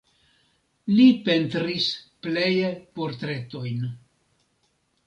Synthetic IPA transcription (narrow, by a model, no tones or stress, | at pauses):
lipe̞ntɾisple̞jepo̞ɾt̪ɾe̞to̞jn